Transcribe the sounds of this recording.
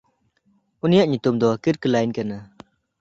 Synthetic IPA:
ʔunijaʔɲut̪umd̪ɔkiɾkəlajnkana

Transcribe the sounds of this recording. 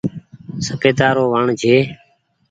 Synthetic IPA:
səkeːd̪aːɾoːʋaːɳd͡ʒʱeː

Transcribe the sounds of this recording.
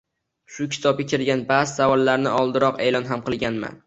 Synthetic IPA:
ʃʊkʲʰɪ̥t̪ʰɒb̚ɡʲakʲʰɪɾɡʲanbazɪsavɒlˠːaɾnɪɒlˠd̪ɪɾɒqe̞jlɒnɦamqɨlˠɡʲanma̰n

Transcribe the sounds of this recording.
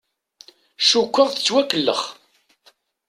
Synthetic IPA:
ʃukʷːəʁθə̥t͡sːwækːəlːə̰χ

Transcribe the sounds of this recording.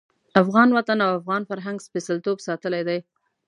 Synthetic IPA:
afɣɑnwat̪anawafɣɑnfaɾɦaŋɡspesalt̪obsɑt̪əlajd̪aj

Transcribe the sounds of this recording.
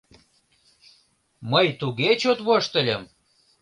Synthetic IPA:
məjt̪uɣet͡ɕot̪βoʃt̪ə̆lʲəm

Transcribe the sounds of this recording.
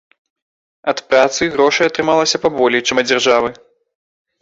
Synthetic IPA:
ɐt̪pɾat̪sɨɣɾɔʂɐjɐt̪ɾɨmalˠɐsʲɐpabɔlʲɛjt͡ʂɨmɐd͡zʲarʐavɨ

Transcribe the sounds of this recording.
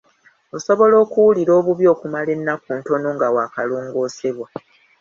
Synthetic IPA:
o̞so̞βo̞lo̞ːkuwuliɾo̞ːβuβjo̞ːkumale̞nːakuːnto̞no̞ŋɡawaːkaloːŋɡo̞ːse̞βwa

